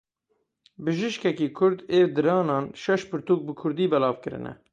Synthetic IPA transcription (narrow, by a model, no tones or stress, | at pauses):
bɨʒɨʃkɛkiːkʰʊɾd̪eːvd̪ɨɾɑːnɑːnʃɛʃpɨɾt̪uːk̚bɨkʰʊɾd̪iːbɛlɑːvkɨɾɨ̰nɛ̰